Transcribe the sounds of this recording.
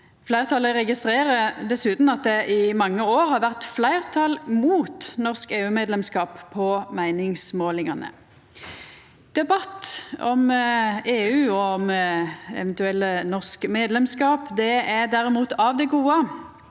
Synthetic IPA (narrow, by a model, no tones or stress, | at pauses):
flæɪʁt̪ʰɑləʁɛɡɪst̪ʁeːɾəd̪ɛsʉːt̪n̩ɑt̪̚d̪ɛʔɪmɑŋːəoːɾhɑɾʋæʁt̪flæɪʁt̪ʰɑlmuːt̪nɔʁskeːʉːmeːd̪lɛmskɑːppʰːɔmæɪnɪŋsmoːlɪŋɑnə̰ | d̪̥ɛbɑt̪ːɔmeːʉːɔɔmɛ̰ʋɛnt̪ʉɛlːənɔʁskmeːd̪lɛmskɑːpd̪ɛæd̪æɾɛmuːt̪ʰɑʋd̪ɛɡuːə